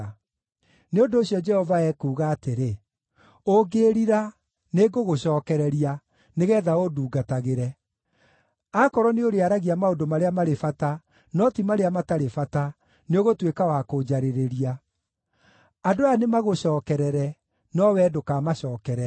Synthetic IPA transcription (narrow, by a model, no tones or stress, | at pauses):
neondoːɕijɔd͡ʒɛhɔvaɛkuːɣaːteɾe | oɡeːɾiɾa | neɡoɣoɕɔːkɛɾɛɾia | neɣɛːðaoduːɡataɣeɾɛ | akɔɾɔneoɾeaɾaɣiamaodomaɾeamaɾefata | nɔtimaɾeamataɾefata | neoɣotwekawakod͡ʒaɾeɾeɾia | adoanemaɣoɕɔːkɛɾɛɾɛ | nɔwɛdokamaɕɔːkɛɾɛ